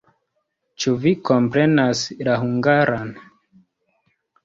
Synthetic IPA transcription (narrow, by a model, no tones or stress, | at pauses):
t͡ʃuviko̞mpɾe̞naslaɦuŋɡaɾʔan